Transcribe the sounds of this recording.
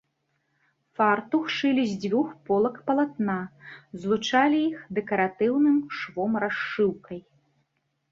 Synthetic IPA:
fart̪uxʂɨlʲizʲd͡zʲvʲuxpɔlˠɐkpɐlˠat̪nazlˠut͡ʂalʲiixd̪ɛkɐɾat̪ɨwnɨmʂvɔmɾaʂːɨwkɐj

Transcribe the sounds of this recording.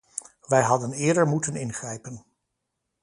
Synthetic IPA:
ʋɛjɦɑdənɪːɹdəɹmutənɪnχrɛjpən

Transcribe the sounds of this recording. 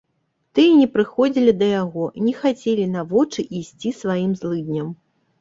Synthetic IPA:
t̪ɨjɛnʲɛpɾɨxɔd͡zʲilʲid̪ɐjaɣɔnʲɛxat͡sʲelʲinɐvɔt͡ʂɨʔisʲt͡sʲisvajimzlˠɨd̪ʲnʲɐm

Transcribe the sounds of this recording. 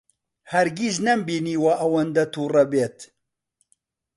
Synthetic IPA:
hɐɾɡiznɐmbiːniːwɐʔɐwɐnd̪ɐt̪uːrɐbeːt̪

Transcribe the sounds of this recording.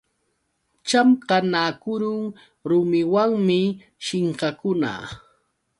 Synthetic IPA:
t͡ʃamqɑnaːkʊɾʊŋ | ɾʊmɪwaŋmɪ | ʃɪɴɢɑkʊna̰ː

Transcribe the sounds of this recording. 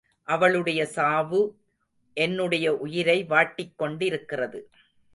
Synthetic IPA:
ʔɐʋɐɭɯɽɐjɐsaːʋɯ | ʔɛnːɯɽɐjɐʔʊjɪɾɐɪʋaːʈːɪkːɔɳɖɪɾɯkːɪrɐðɯ

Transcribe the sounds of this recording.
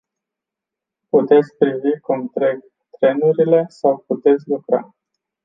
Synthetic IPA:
put̪e̞t̪sʲpɾivikumt̪ɾe̞k | t̪ɾe̞nuɾile̞sawput̪e̞t̪sʲlukɾa̰

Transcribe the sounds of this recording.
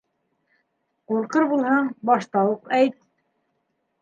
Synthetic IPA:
quɾqɤɾbulˠhɑɴbɑʃt̪ɑwuqæjt̪̚

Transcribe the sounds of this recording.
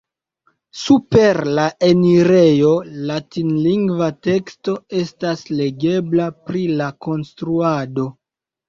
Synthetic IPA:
supe̞ɾlaeniɾe̞jo̞latinliŋɡvate̞ksto̞e̞stasle̞ɡe̞blapɾilako̞nstɾuado̞

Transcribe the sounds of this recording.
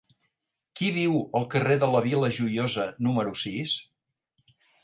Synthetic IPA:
kiβiwəlˠkəreðələβ̞iləʒujozənuməɾusis

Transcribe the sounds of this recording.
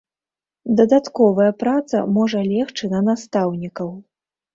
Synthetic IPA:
d̪ɐd̪at̪kɔvɐjɐpɾat̪sɐ̰mɔʐɐlʲɛxt͡ʂɨnɐnast̪awnʲikɐw

